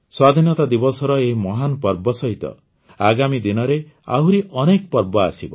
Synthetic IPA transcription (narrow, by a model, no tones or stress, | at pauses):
swad̪ʱinɔt̪ad̪ibɔsɔɾɔemɔɦanɔpɔɾbɔsɔɦit̪ɔ̰ | aɡamid̪inɔɾe | a̰ɦuɾiʔɔnekpɔɾbɔa̰sibɔ̰